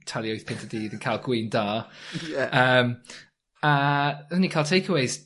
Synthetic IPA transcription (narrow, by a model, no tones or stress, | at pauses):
tʰalˠioʊθpʰɪ̃ntʰədiːðə̃nkʰalˠɡ̥wiːndaː | əm | əə̃nikʰalˠtʰeɪkʰəweɪz̥